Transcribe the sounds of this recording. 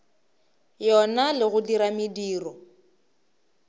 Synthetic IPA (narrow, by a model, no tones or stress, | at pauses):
jɔnalɪɣʊdiɾamɪdiːrɔ